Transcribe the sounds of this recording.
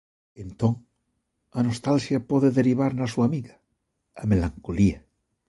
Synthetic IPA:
ent̪oŋ | anost̪alʃjapoðeðeɾiβaɾnasuamiɣḁː | melaŋkolia

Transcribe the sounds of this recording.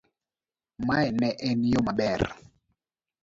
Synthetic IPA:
maɛnɛʔɛnjomaɓɛr

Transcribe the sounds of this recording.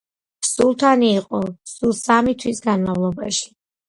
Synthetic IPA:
psulˠt̪ʰaniːqʼɔsulˠsamit̪ʰwisɡanmavlˠɔba̰ʃi̥

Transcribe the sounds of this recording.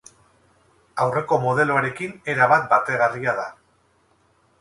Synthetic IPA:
awre̞ko̞mo̞ð̞e̞loaɾe̞kine̞ɾaβat̪̚bat̪e̞ɣariaða

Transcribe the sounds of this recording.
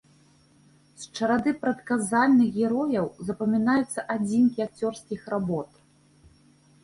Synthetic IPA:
st͡ʂɐɾad̪ɨpɾɐt̪kazalʲnɨɣɣʲɛɾɔjɐwzɐpɐmʲinajut̪sːɐʔad͡zʲinkʲiak̚t͡sʲɔrskʲixrabɔt̪

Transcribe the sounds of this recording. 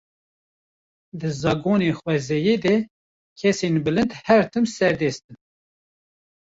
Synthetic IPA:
d̪ɨzɑːɡoːneːxwɛzɛjeːd̪ɛ | kʲʰɛsenbɨlɨnd̪hɛɾt̪ʰɨmsɛɾd̪ɛːst̪ɨn

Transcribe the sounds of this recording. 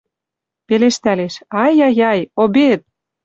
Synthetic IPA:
peleʃt̪æleʃɑjɑjɑjobet̪̚

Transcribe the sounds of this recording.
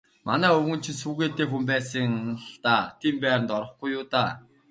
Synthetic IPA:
manæːɵwɵ̆n̥t͡ɕʰɪ̆nsuːɣeːt̪eːxumpæːsə̆ŋnɬt̪aːt̪ʰiːmpæːɾə̆nt̪ɔɾɞ̆χɡujːʊːt̪aː

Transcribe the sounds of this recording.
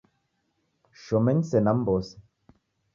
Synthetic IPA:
ʃɔmɛnsɛnambɔs

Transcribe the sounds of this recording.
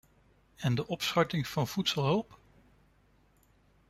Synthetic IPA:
ɛndəʔɔpsχɑɹtɪŋv̥ɑnv̥utsəlˠɦɵlˠp

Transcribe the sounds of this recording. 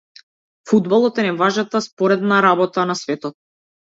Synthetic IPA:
fud̪balˠɔt̪ɛnɛvaʒnat̪aspɔɾɛd̪naɾabɔt̪anasvɛt̪ɔt̪̚

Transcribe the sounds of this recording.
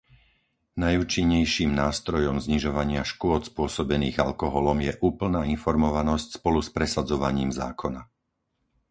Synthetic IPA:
najuːt͡ʃiɲːɛjʃiːmnaːst̪ɾɔjɔmzɲiʒɔʋaɲɪaʃkʊɔt̪spʊɔsɔbɛniːɣalkɔɦɔlɔmjɛʔuːpl̩naːinfɔɾmɔʋanɔscspɔluspɾɛsad͡zɔʋaɲiːmza̰ːkʰɔna

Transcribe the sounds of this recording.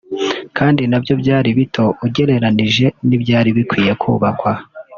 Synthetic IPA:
kaːndinabjo̞bɟjaːɾiβitʰo̞ʔuɟe̞ɾe̞ɾaniʒe̞nibɟaːɾiβikwiːje̞kʰṵːβakwa

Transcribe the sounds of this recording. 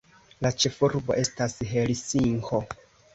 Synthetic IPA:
lat͡ʃe̞fuɾbo̞ʔe̞stasɦelisiŋho

